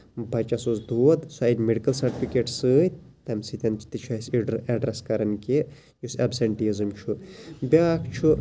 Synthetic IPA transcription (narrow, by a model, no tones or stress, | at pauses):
bʱɐt͡ʃɐsosd̪ʱuːɐd̪saːidʲmeɖikɐlsɐɾʈifikeːʈsɨːt̪ɐmsit̪ʲɐnt͡ʃʰi̥t̪it͡ʃʰɐsɐɖɾɐskɐɾɐnkʲe | jusɐbseɳʈizɨmt͡ʃʰubʲaːkt͡ʃʰu